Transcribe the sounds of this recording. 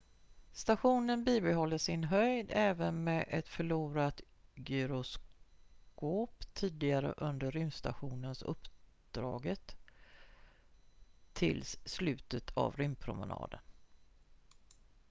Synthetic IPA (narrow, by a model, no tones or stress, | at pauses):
st̪aɧuːnənbiːbɛɦɔlːəʂɪnɦœjd̪ɛːvənmeːʔɛt̪fœɭuːɾat̪ | ɡʏɾʊs | koːpt̪ʰiːd̪ɪɡaɾə̰ʔɵnd̪əɾʏmst̪a̰ɧuːnənsɵ̰pː | d̪̥ɾɑːɡət̪ | ɪ̰lsːlʉ̟ːt̪ət̪ʰa̰vɾʏmpʰɾʊmə̰nɑ̰ːd̪ən